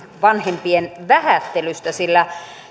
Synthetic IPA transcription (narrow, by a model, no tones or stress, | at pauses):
ʋɑnhempienʋæhæt̪ːelyst̪æsilːæ